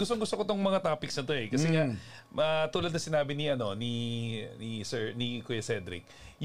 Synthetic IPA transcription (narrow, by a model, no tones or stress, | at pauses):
ɡʊst̪oŋɡʊst̪okot̪oŋmɐŋat̪aːpɪk̚sɐt̪oʔɛkɐsɛŋa | ɐt̪uːlɐd̪̚nɐsɪnaːbɪnɪʔɐno̞nɪnisɛɹnɪkojɐsɛd̪ɾɪ̰k̚ | j